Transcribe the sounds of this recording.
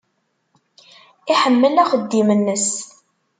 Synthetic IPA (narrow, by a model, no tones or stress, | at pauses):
ɪħəmːəlæχəd̪ːimənːəs